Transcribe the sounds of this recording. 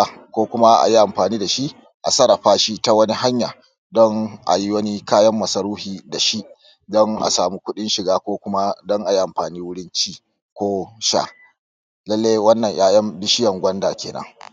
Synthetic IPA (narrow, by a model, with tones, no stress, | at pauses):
a˨kʷoː˦kʷʊ˦ma˦ʔa̰˨ji˦ʔa˨mɸaː˨niː˦da˨ʃi˦ʔ | ʔa˨sɐ˦ɾɐ˨ɸaː˦ʃi˦ta˦wɐ˦ni˦ɦa˦ɲjaː˨ | dɔ˦ŋʔa̰˨ji˦wɐ˦ni˦kaː˦jɐ˦mːɐ˨sɐ˨ɾuː˦hiː˨da˨ʃi˦ʔ | dɔ˦ŋʔa̰˨saː˨mu˦kʷʊ˦ɗɪ˦nʃɪ˨ɡaː˦kʷoː˦kʷʊ˦ma˦dɔ˦ŋʔa˨ji˦ʔa˨mɸaː˨niː˦wʊ˦ɽɪ˦nt͡ʃiː˦ | kʷoː˦ʃa̰˦˨ | lɐ˦lːeː˦jwɐ˦nːɐ˨ɲjaː˦jɐ˦mbɪ˦ʃɪ˦jɐ˨ŋɡʷɐ˦ndaː˨kʲeː˨nɐ̰˦ŋ